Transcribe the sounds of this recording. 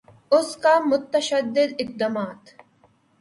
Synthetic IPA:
ʊskaːmʊt̪ːɐʃɐd̪ːɪd̪ɪq̚d̪ɐmaːt̪

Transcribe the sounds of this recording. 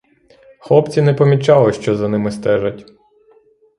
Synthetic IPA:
xlˠɔpt͡sʲinɛpɔmʲit͡ʃɑlˠɪʃt͡ʃɔzɐnɪmɪst̪ɛʒɐtʲ

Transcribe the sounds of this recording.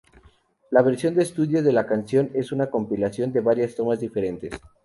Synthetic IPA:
laβe̞ɾsjo̞nd̪eːst̪uðjo̞zðe̞lakansjo̞ne̞sunako̞mpilasjo̞nd̪e̞βaɾjast̪o̞mazðife̞ɾe̞nt̪e̞s

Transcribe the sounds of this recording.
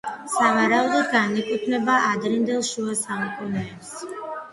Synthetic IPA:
savaɾaud̪ɔd̪ɡanɛkʼupʰnɛbaʔad̪ɾind̪ɛlˠʃuasamukʼunɛːps

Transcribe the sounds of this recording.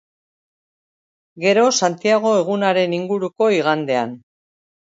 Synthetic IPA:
ɡe̞ɾo̞sant̪iaɣ̞o̞e̞ɣ̞unaɾe̞niŋɡuɾuko̞iɣand̪e̞an

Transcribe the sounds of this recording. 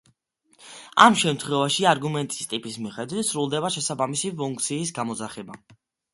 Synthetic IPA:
a̰mʃɛmt̪ʰχwɛvaʃiaɾɡumɛnt̪ʼi̥st̪ʼipʼismiχɛd̪wit̪sɾulˠd̪ɛbaʃɛsabamisipʰuŋk̚ʰʼt̪sʰiːs̬ɡamɔzaχɛba

